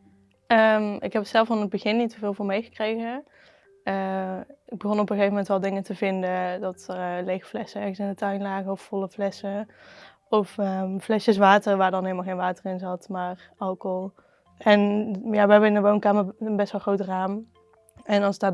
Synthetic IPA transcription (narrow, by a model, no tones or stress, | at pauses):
əmɪ̰kɦɛpətsɛlˠfaːnəd̚bəɣɪnːitːəvɪːlˠvoɹmejɣə̥krejɣə | əɪɡ̚bəχonəɔpəəχejvəmɛntʋɛlˠdɪŋəntəvɪndədɑtərəlejxflɛsəɛɹɣəsɪndətœɥnlaːɣəɔfːɔləflɛsə | ɔfəflɛʃjəsʋaːtərʋaːɹdɑnɦɪlˠmalˠxejnʋaːtərɪnzɑtmaːr | ɑlˠkɔlˠ | ɛnjaːʋəɦɛbəɪnəʋownkaːmərənbɛstʋɛlˠχrowtraːm | ɛnɑlˠsɪɡ̚daː